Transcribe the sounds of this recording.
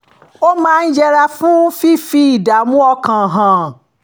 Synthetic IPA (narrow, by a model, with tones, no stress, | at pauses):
o˦mãː˦˧n̩˦d͡ʒɛ˧ɾa˧fũ˦fi˦fi˦i˨da˨mũ˦ɔ˧kã˨ɦã˨